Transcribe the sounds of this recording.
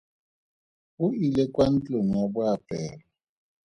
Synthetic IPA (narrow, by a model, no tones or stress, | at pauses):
uilɛkʼwan̩t͡ɬʼoŋ̩jabʊapʼɛːlɔ